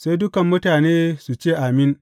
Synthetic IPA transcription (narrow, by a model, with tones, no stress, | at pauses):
sa˦jdʊ˦kɐ˨mːʊ˦taː˨neː˦su˨t͡ʃeː˦˨ʔa˨mɪ˦n